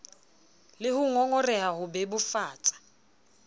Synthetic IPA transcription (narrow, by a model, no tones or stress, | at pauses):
lɪhʊŋɔŋɔrɛhahʊbɛbʊfaːt͡sʼḁ